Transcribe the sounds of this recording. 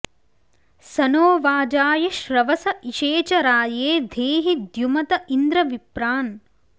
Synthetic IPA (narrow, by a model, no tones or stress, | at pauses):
sɐnoːʋaːd͡ʒaːjɐʃɾɐʋɐsɐʔiʃeːt͡ʃɐɾaːjeːd̪ʱeːɦid̪jumɐt̪ɐind̪ɾɐʋipɾaːn